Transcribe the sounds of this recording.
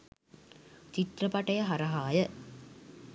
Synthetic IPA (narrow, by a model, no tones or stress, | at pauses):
t͡ʃit̪rɐpɐʈɐjɐɦaɾɐɦaːjə